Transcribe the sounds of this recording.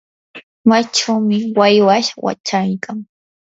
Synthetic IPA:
mat͡ʃawmɪwajwaʃwa̰t͡ʃajkʰaŋ

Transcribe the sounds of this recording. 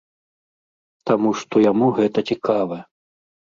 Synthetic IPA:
t̪amuʂt̪ɔjamuɣɛt̪ɐt͡sʲikʰavɐɛ

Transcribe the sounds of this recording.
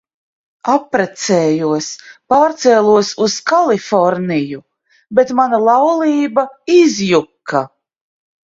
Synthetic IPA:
apːɾɛt̪sɛːjuɔspaːɾt̪sɛlˠuɔsuskalˠifɔɾniju | bet̪manalˠɑwlˠiːbaizjukːa

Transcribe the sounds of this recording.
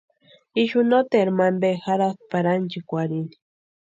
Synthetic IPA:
iʃunot̪eeɾmanbexaɾaθpaɾant͡ʃikʷaɾini̥

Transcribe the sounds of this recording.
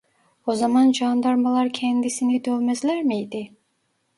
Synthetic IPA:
ozamand͡ʒɑnd̪ɑɾmalˠɑɾcʰɛnd̪isinid̪ølmɛzlʲæɾmijd̪ɪ

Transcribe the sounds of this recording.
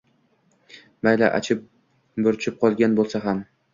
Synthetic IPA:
majla̰ʔa̰t͡ʃʰɪp̚ | bɵɾt͡ʃʰɪp̚qʰɒlˠɡʲanbolˠsaɦam

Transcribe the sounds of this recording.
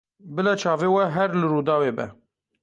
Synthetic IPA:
bɨlɛt͡ʃʰɑːveːwɛɦɛɾlɨɾuːd̪ɑːweːbɛ̰

